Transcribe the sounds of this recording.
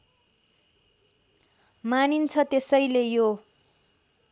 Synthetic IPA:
manint͡sʰʌt̪esʌjlejo

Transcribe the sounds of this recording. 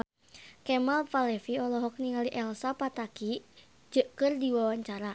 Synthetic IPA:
kɛmalfalɛfiɔlɔɦɔk̚niŋaliʔɛlsapat̪aki | d͡ʒəʔkɨrdiwawaɲt͡ʃaɾa

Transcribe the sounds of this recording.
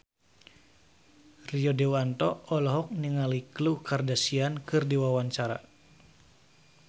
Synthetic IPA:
riɔdɛwant̪ɔɔlɔɦɔk̚niŋaliklukardasiankɨrdiwawaɲt͡ʃaɾa̰

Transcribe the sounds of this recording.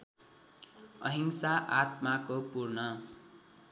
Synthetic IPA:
ʌ̰ɦiŋsaʔat̪makopurnʌ

